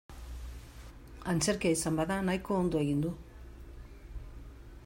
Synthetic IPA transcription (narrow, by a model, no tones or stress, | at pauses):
ant͡ʃeɾkejsambaðanajkoːnd̪ueɣind̪u